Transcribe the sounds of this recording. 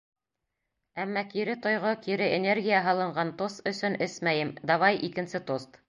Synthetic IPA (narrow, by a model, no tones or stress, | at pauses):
æmːɑkiɾɘt̪ŏjʁokiɾɘʔenʲerɡʲijaɦɑlˠɤ̆ɴɢɑnt̪ost̪ɵ̆sɵnɘsmæjɘmd̪ɑβɑjʔikɘ̆nsɘt̪ost̪